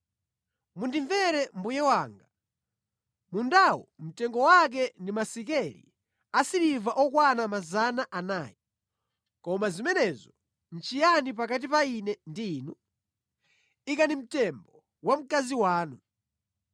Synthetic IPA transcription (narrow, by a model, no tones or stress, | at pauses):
mundiɱvɛɾɛmbujɛwaːŋɡa | mundawɔ̰m̩tɛŋɡɔwak̬ɛndimasikɛɾḭ | asiɾivaʔɔkwanamazanaʔanaːji | kɔmazimɛnɛzɔ | n̩t͡ʃijanip̬ak̬at̬ipainɛndiːnu | ikanim̩tɛmbɔ | wam̩kaziwaːnu